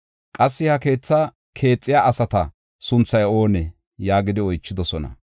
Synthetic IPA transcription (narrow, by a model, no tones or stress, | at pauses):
kʼɐsːɪhɐke̞ːt͡sːɐ | kʰe̞ːt͡sʼːɪjaːʔɐsɐt̪ɐ | sʊnt͡sːɐjo̞ːnɛ | jaːɡɪd̪ɪɔjt͡ʃːɪd̪ɔsɔnɐ̰